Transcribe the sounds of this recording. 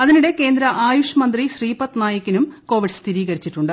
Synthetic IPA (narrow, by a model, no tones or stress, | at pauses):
ɐðiniɽe̞ke̞ːnd̪ɾɐʔaːjuʂjɐmɐnd̪riɕriːpɐt̪naːjɐkʲːinumko̞ːʋiɖst̪ʰiɾiːɣɐɾit͡ɕːiʈːuɳɖɨ